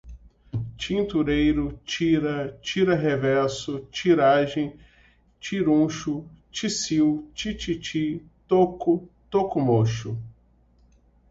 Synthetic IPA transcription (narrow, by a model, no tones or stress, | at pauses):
t͡ʃĩnt̪uɾejɾʊt͡ʃiɾɐt͡ʃiɾɐɦevɛɾsʊt͡ʃiɾaʒẽj̃ | t͡ʃiɾũʃʊt͡ʃisiwt͡ʃit͡ʃit͡ʃit̪okʊt̪okʊmoʃʊ